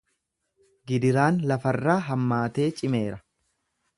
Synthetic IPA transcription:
ɡɪd̪ɪɾaːnlɐfɐrːaːɦɐmːaːt̪e̞ːt͡ʃʼɪme̞ːɾɐ

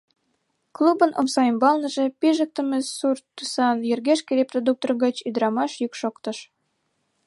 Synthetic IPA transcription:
klˠubɤ̆nʔo̰msɑjəmbɑlˠnɤ̆ʒĕpiʒə̆k̚t̪ə̆mĕsurt̪ːusɑnjɘ̆rɣeʃkɘ̆ɾeprod̪uk̚t̪orɣɑt͡ɕyd̪̆ɾɑmɑʃjukʃokt̪ɤ̆ʃ

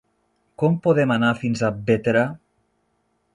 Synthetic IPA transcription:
kɔmpoðɛmanafinzabet̪eɾa

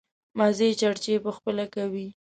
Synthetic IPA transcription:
mazet͡ʃaɽt͡ʃepəxpəlakawi

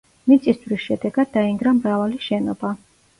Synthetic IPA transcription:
mit̪sʼisd̪vɾisʃɛd̪ɛɡad̪̚ːaiŋɡɾamɾavaliʃɛnɔba

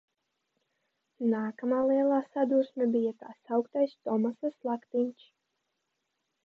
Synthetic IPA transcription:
naːkamaːlˠiɛlˠaːsad̪uɾsmʲɛbijaka̰ːsawkt̪ajst̪ɔmasaslˠakt̪iɲʲt͡ʃ

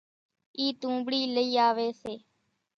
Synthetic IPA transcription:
iːt̪ũːbɽiːləiːaːʋeːseː

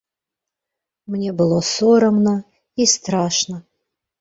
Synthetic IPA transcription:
mnʲebɨlˠosoɾəmnə | ist̪ɾaʂnə

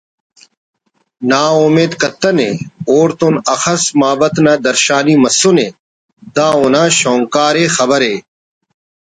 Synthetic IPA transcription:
naːomeːd̪kɐt̪ɐnḛ̃ːoːɾt̪onɐxɐsmaːbɐt̪naːd̪ɐɾʃaːniːmɐsʊnẽː | d̪ãːʊnãːʃõːŋkaːɾeːxɐbɐɾeː

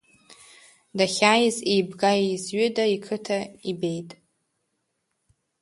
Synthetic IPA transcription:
daχʲajɪzejbɡaizɥʏdaikʰɨtʰaibejtʼ

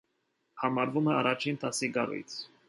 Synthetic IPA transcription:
hɑmɑɾvumɛɑrɑt͡ʃʰint̪ɑsiɡɑ̰ɾṵjt͡sʰ

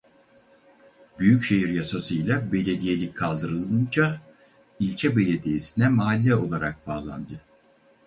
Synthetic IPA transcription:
byjycʃe̞ɦiɾjasasɯjlˠabe̞lʲe̞d̪ije̞lʲic̚ʲkʰalˠd̪ɯɾɯlˠɯnd͡ʒa | ilʲt͡ʃʰɛbe̞lʲed̪ijesinɛmaalʲːɛo̞lˠaɾak̚baːlˠa̰nd̪ɯ

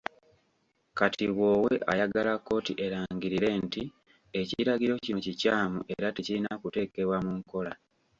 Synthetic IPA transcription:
katʰiβwo̞ːweʔajaɡalakːo̞ːtiʔe̞ɾaːŋɟiɾiɾe̞nti | e̞ciɾaɡiɾo̞cinocicaːmuʔe̞ɾate̞ciɾinakute̞ːke̞βwamuŋko̞la

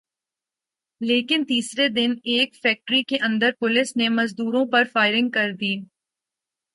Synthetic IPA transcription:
leːkɪnt̪iːsɾed̪ɪneːkfɛːk̚ʈɾikeʔɐ̃nd̪əɾpʊlɪsnemɐzd̪uːɾõpɐɾfaːɪɾɪ̃ŋɡ̚kɐɾd̪iː

